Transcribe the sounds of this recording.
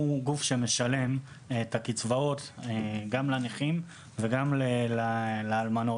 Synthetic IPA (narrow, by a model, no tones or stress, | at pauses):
uɡufʃe̞me̞ʃale̞m | etakit͡svao̞teɡamlaniχim | veɡamlelaleːlmano̞